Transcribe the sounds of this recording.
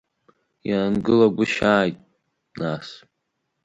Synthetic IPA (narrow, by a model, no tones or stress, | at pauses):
jaːnɡɨlaɡʷʊʃaːjtʼ | nas